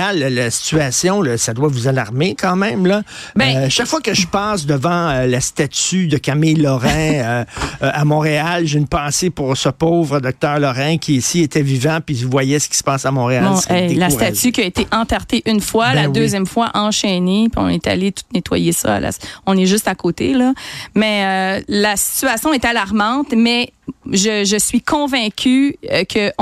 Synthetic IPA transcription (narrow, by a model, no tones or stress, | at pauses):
allasi̥t͡syasjɔ̃ləsad̪wavuzalaʁmekɑ̃ːmɛ̃mlʌbɛʃakfwakəʒəpɑːsd̪əvɑ̃ølast̪at̪yd̪əkamejlɔʁɛ̃øʔamɔ̃ʁealʒeynpɑ̃ːsepuʁsəpoːvʁəd̪ɔk̚t̪œːʁlɔʁɛ̃kʲʰiːsiet̪ɛvivɑ̃pivwajɛsə̥kʲi̥sə̥pɑsamɔ̃ʁeãɛlast̪asykʲiaet̪eʔɑ̃t̪aʁt̪eʔynfwalad̪øzzjɛmfwaʔɑ̃ʃɛnepiɔ̰̃nɛt̪a̰let̪u̥t̪net̪wa̰jesʌ̰a̰la̰sɔ̃nɛʒʏst̪akoːt̪elʌmɛølasi̥t͡syasjɔ̃ɛt̪alaʁmɑ̃t̪mɛʒəʒəsɥikʰɔ̃vɛ̃kʲʰykʰəʔ